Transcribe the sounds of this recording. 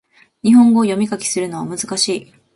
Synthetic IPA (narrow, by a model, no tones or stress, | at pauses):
ɲ̟iɦõ̞ŋɡo̞ːjo̞mʲikakʲi̥sɨɾɯ̟no̞βamɯ̟zɨkaɕiː